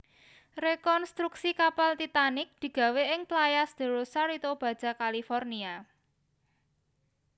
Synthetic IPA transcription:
rekɔnst̪ɾuksikapalt̪it̪anɪk̚d̪̥i̤ɡ̥ä̤weʔɪŋplajasd̪̥ə̤ɾosaɾit̪ob̥ä̤d̥d͡ʒ̥a̤kalifɔrnia

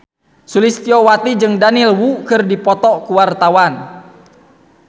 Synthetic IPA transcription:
sulist̪iɔwat̪id͡ʒɨŋdanilwukɨrdipɔt̪ɔkuwart̪awan

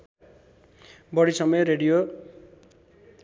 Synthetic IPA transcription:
bʌɽisʌmʌjreɽijo

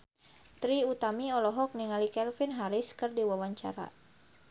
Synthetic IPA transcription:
t̪ɾiut̪amiɔlɔɦɔk̚niŋalikɛlfinɦaɾɪskɨrdiwawaɲt͡ʃa̰ɾa̰

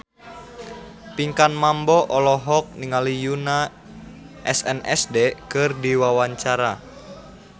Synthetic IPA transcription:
piŋkanmambɔʔɔlɔɦɔk̚niŋalijuna | ʔɛsɛnɛ̰sdɛkɨrdiwawaɲt͡ʃaɾa

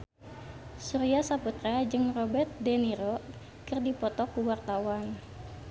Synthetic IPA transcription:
suɾiasaput̪ɾead͡ʒɨŋrɔbɛrt̪̚dɛniɾɔ | kɨrdipɔt̪ɔkuwart̪awan

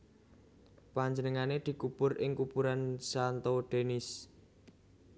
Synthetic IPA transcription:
paɲd͡ʒənəŋaned̪̥i̤kupʊrʔɪŋkupuɾansant̪oɖ̪̥e̤nɪs

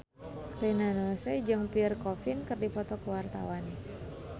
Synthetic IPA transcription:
rinanosɛd͡ʒɨŋpirkɔfinkərdipɔt̪ɔkəwart̪a̰wan

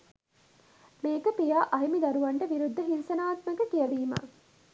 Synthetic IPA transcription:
meːkəpijaːʔɐɦimid̪ɐɾuʋɐɳʈəʋiɾud̪ʱːəɦinsɐnaːt̪məkəkijɐʋiːmɐ̰

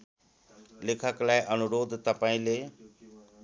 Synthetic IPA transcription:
lɪkʰəklaːeʔənʊɾoːd̪t̪əpaĩleː

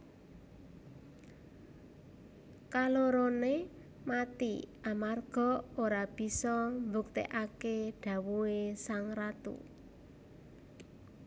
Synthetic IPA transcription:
kaloɾone | mat̪ḭʔamarɡ̥ɔ̤oɾab̥i̤sɔmbuk̚t̪ḛʔakeɖ̥a̤wuesaŋɾat̪ṵ

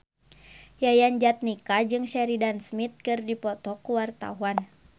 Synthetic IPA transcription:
jajand͡ʒat̪̚nikad͡ʒɨŋʃɛɾidansmit̪̚kɨrdipɔt̪ɔkuwart̪a̰uan

